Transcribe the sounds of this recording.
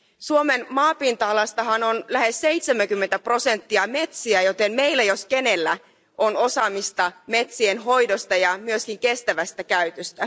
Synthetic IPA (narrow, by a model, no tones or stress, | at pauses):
suomenmɑːpint̪ɑɑlɑst̪ɑɦɑnonlæɦe̞sːejt̪semæŋkymːent̪æpro̞se̞nt̪ːiɑme̞t̪siæjo̞t̪emme̞jlːæjo̞skene̞lːæ | ʔono̞sɑːmist̪ɑme̞t̪sienɦo̞jdost̪ɑjɑmyøskiŋke̞st̪æʋæst̪ækæyt̪øst̪æ